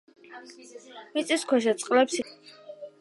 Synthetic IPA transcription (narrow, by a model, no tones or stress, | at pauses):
mit̪sʼiskʰwɛʃɛt̪sʼqʼlɛps